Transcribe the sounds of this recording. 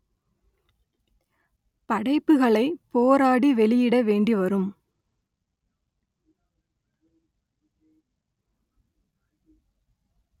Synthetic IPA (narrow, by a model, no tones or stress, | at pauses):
pɐɽɐɪpːɯɣɐɭɐɪpoːɾaːɽiʋɛɭɪjɪɽɐʋeːɳɖiʋɐɾɯm